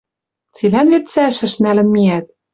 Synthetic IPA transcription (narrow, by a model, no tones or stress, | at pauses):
t͡silænvet̪t͡sæʃɘ̆ʃnælɘ̆mːiæt̪̚